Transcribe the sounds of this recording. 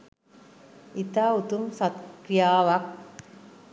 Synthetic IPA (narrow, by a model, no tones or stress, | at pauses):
it̪aːut̪umsɐt̪kɾjaːʋɐk̚